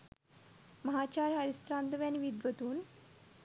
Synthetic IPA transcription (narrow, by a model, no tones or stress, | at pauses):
məɦat͡ɕaɾɦəɾist̪ɾand̪əʋjaniʋid̪ʋət̪uːn